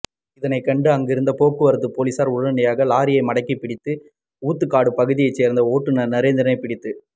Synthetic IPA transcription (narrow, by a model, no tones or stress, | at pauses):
ɪðɐnɐɪkːɐɳɖɯɐŋɡɪɾɯnd̪ɐpoːkːɯʋɐɾɐt̪ːɯpoːlisaːɾʊɽɐnɪjaːɣɐlaːɾɪjɐɪmɐɽɐɪkːipɪɽɪt̪ːɯ | uːt̪ːɯkːaːɽɯpɐɣɯðɪjɐɪt͡ʃːeːɾnd̪ɐoːʈːɯnɐnɪɾɐeːnd̪ɪɾɐnɐɪpɪɽɪt̪ːɯ